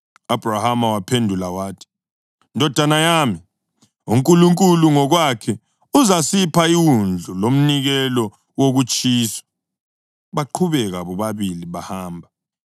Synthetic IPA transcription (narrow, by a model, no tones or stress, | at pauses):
ab̥rahamawapʰendʱulawaːtʰi̥ | ndʱɔd̥ʱanajaːmi | uŋkʼuluŋkʼuluŋɔɣwakʰɛ | uzasipʰaiwund͡ɮʱulom̩niɣɛlɔ | woɣut͡ʃʼiːsɔ̥ | βaǃʰuβɛɣaβɔβaβiliβahaːmbʱa